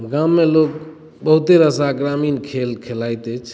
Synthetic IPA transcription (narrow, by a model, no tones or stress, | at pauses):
ɡamːelok̚ | bəɦut̪eɾəsaɡɾaminkʰelkʰelajt̪ət͡ʃʰ